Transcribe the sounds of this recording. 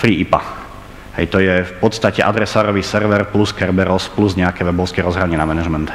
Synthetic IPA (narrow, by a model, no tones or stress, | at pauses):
fɾiːipa̰ | ɦɛ̰jt̪ɔjɛfpɔt̪st̪acɛʔad̪ɾɛsaːɾɔʋiːsɛɾʋɛɾpluskɛɾbɛɾɔspluzɲɛakɛʋɛbɔʊskɛɾɔzɦɾaɲɪɛnamɛnaʒmɛnt̪